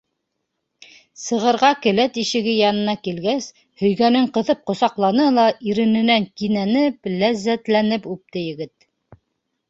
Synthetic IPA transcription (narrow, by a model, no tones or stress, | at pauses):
sɤ̆ʁɤ̆ɾʁɑkɘ̆læt̪iʃɘ̆ɡɘjɑnɤ̆nɑkilɡæs | hɵ̆jɡænɘŋqɤ̆ðɤp̚qŏsɑqlˠɑnɤlˠɑʔiɾɘ̆nɘ̆næŋkinænɘplæzːæt̪lænɘpʉp̚t̪ɘjɘ̆ɡɘt̪̚